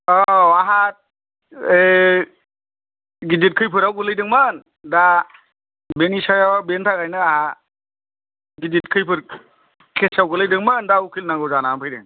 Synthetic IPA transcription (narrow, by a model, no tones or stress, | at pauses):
ɔwaɦat̚ | e | ɡid͡ʒit̚kʰɯjpʰɯɾawɡɯlɯjdɯŋman | da | benisajawabentʰakajnɯaɦa | ɡid͡ʒit̚kʰɯjpʰɯɾ | kʰɛsawɡɯlɯjdɯŋmandaukʰilnaɡɔwzanampʰɯjdḛŋ